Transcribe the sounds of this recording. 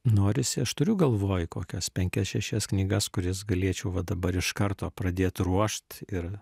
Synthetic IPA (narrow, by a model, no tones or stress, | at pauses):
noːɾʲɪsʲɪɐʃt̪ʊɾʲʊɡɐlˠʋoːjkoːkʲɛspʲɛŋʲkʲɛsʃʲɛsʃʲɛsknʲiːɡɐskʊɾʲɪsɡɐlʲiɛt͡ʃʲɛʊʋɐd̪ɐbɐɾɪʃkɐrt̪oːpɾɐd̪ʲeːt̪ruɔʃt̪ɪɾ